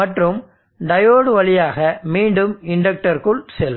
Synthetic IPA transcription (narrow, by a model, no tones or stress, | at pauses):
mɐʈrɯm | ɖɐjoːɽɯʋɐɭɪjaːɣɐmiːɳɖɯmɪɳɖɐk̚ʈɐɾkɯɭsɛlː